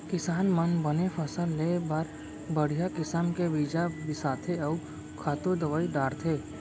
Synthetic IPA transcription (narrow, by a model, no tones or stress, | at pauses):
kɪsaːnmənbənefʰəsəlːebaɾ | bəɽ̤ijakɪsəmkeʋiːd͡ʒabɪsaːt̪ʰeɐu | kʰaːt̪od̪əʋaːiɖaːɾt̪ʰeː